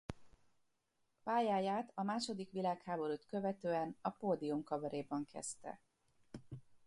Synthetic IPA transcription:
paːjaːjaːt̪ɒmaːʃo̞d̪ikʋilaːkhaːbo̞ɾut̪kø̞vɛt̪øːɛnɒpoːd̪iumkɒbɒɾeːbɒŋkʰɛ̰st̪ɛ̰

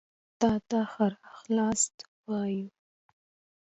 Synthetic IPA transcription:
t̪ɑt̪axaɾaxlɑst̪ | wɑju

